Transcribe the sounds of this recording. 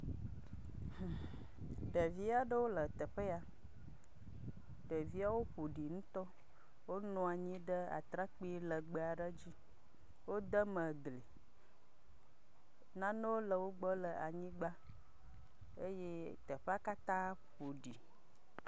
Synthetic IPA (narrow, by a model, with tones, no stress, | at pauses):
h | ɖə˨vi˦a˨ɖə˦wo˦lə˨t̪ə˨ɸə˦a˨ | ɖə˨vi˦a˦wo˦ɸu˨ɖi˨ŋũ˦t̪ɔ˦ | wo˦nɔ̃˨a˨ɲĩ˦ɖə˦a̰˨t̪ɾa˦k͡pi˦lə˨ɡ͡bə˨a˨ɖə˦d͡ʑi˦ | wo˦d̪ə˦mə˨ɡle˨ | nã˦nõ˦wo˦lə˨wo˦ɡ͡bɔ˦lə˨a˨ɲĩ˦ɡ͡ba˦ | e˦je˦ | t̪ə˨ɸe˦a˦ka˦t̪ã˦ | ɸu˨ɖi˨